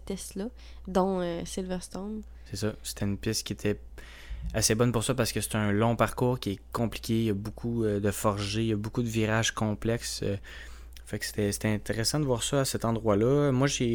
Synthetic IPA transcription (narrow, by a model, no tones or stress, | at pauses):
pɛslʌ | d̪ɑ̃øsilvɛʁst̪ɔ̃n | sɛsʌse̥t̪ʰɛynpjɛskʲiet̪ʰɛ | asebɔnpʊʁswapaʁsə̥kəse̥t̪ɛɛ̃lɔ̃paʁkuːʁkʲiɛkɔ̃pli̥kʲejabokʰuød̪əfɔʁʒejabokud̪əviʁaʒkɔ̃plɛksø̰ | fɛkse̥t̪ɛse̥t̪ɛɛ̃t̪eʁesɑ̃d̪əvwaːʁsʌasɛt̪ɑ̃d̪ʁwalʌmwaʒe